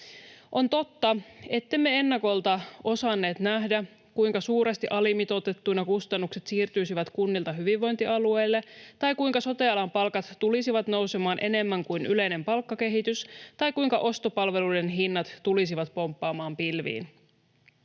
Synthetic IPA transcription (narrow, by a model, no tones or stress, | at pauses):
ʔo̞nt̪o̞t̪ːɑe̞t̪ːemːee̞nːɑko̞lt̪ɑo̞sɑnːe̞ːt̪næɦdæ | kujŋkɑsuːɾest̪iʔɑlimit̪o̞t̪et̪ːujnɑkust̪ɑnːukse̞t̪siːrt̪yjsiʋæt̪kunːilt̪ɑɦyʋiʋʋo̞jnt̪iʔɑlue̞jlːe̞t̪ɑjkuiŋkɑso̞t̪eɑlɑmpɑlkɑt̪ːulisiʋɑt̪no̞wse̞mɑːnʔe̞ne̞mːæŋkujnʔyle̞jne̞mpɑlkːɑke̞ɦit̪yst̪ɑjkujŋkɑʔo̞st̪o̞pɑlʋe̞lujde̞nɦinːɑt̪ːulisiʋɑt̪po̞mpːɑːmɑːmpilʋḭːn